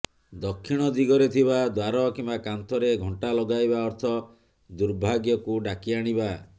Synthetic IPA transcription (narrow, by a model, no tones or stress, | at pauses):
d̪ɔkʰːiɽ̃ɔd̪iɡɔɾet̪ʰiβad̪waɾɔkimbakant̪ɔɾeɡʱɔɳʈalɔɡajbaɔɾt̪ʰɔ | d̪uɾbʱaɡjɔkuɖakiaɽ̃iba